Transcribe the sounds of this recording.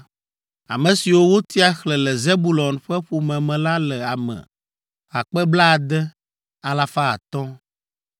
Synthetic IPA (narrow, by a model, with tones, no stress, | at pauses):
a̰˨mɛ̃˨si˨wo˦wo˦t̪i˦a˨xlɛ˨lɛ˨ze˦bu˦˨lɔ˨nɸɛ˦ɸu˨mɛ̃˨mɛ̃˨la˦lɛ˨a˨mɛ̰̃˨ | ɣa˨k͡pɛ˦bla˦˨d̪ɛ˦ | a˨la˨fa˦a̰˨t̪ɔ̃˦